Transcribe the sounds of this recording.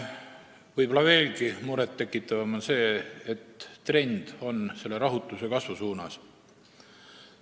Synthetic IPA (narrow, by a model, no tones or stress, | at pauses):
vɤjbo̞lɑve̞ːlɡimuɾet̪ːe̞kːˑit̪ːˑɑvɑmonse̞ːet̪ːre̞nʲd̪̥o̞nse̞lːe̞ɾɑɦut̪ːˑuse̞kɑsvusuːnɑs